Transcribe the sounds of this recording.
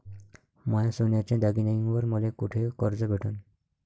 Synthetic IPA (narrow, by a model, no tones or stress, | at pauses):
mɔjasunjat͡ɕãd̪aɡinajĩŋʋəɾmulekuʈʰekɔɾd͡zəbʱeʈʰun